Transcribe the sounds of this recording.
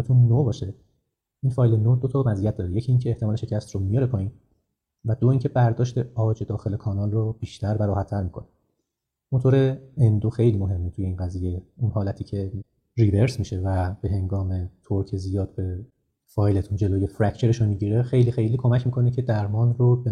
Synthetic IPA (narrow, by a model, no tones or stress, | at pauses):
t̪ʰunːobɒːʃe̞ | ʔiːnfɒːjle̞nod̪ot̪ʰɒmæzijæt̪̚d̪ɒːɾejecʰiːncʰeːht̪eɒːleʃe̞cʰæst̪romijɒɾe̞pʰɒːiːn | væd̪o̞iːncʰe̞bæɾd̪ɒːʃt̪e̞ɒːd͡ʒe̞d̪ɒːxe̞le̞kʰɒːnɒːlrob̥iːʃt̪ʰæɾbæɾɔːhæt̪ʰːæɾmiːkʰone | mot̪ʰoːɾeend̪oxejliːmoɦe̞mːet̪ʰuje̞iːnɡæziːje̞unɦɒːlæt̪ʰiːcʰe̞ | rive̞ɾsmiʃe̞væb̥e̞ɦe̞ŋɡɒːme̞t̪ʰoɾcʰezijɒːd̪̥̚be̞ | fɒːjle̞t̪ʰund͡ʒe̞loːje̞fɾæcʰt͡ʃʰe̞ɾeʃomiɟiːɾe̞xe̞jlixe̞jliːkʰo̞mæcʰmiːkʰo̞necʰe̞d̪æɾmɒːnrob